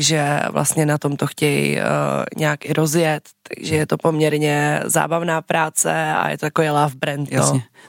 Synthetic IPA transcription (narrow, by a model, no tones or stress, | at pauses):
ʒɛvlʔa̰st̪ɲɛnat̪o̞mt̪oxcɛj̰ | ɲɛaːkʔɪɾozjɛt̪ːaɡʒɛjɛt̪opomɲɛɾɲɛza̰ːbavnaːpɾaːt͡sɛa̰jɛ̰t̪oakovɛːlaːfbɾɛnt̪o